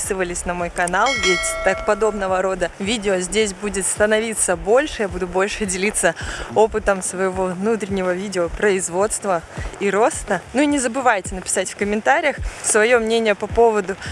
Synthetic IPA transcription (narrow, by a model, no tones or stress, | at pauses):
sɨvəlʲɪsʲnɐmo̞jkɐnalˠvʲetʲt̪ak̚pɐd̪o̞bnəvəɾo̞d̪əvʲidʲɪozʲdʲes̬ʲbudʲɪt̪st̪ənɐvʲit̪səbo̞lʲʂɨjabud̪ʊbo̞lʲʂɨdʲɪlʲit̪sːəo̞pɨt̪əmsvəjɪvo̞vnut̪̬ɾʲɪnʲːɪvəvʲidʲɪopɾəɪzvo̞t̪st̪vəiɾo̞st̪ənuinʲɪzəbɨvajtʲɪnəpʲɪ̥satʲfʲkəmʲɪnt̪aɾʲɪjəxsvɐjo̞mnʲenʲɪjəpɐpo̞vəd̪ʊ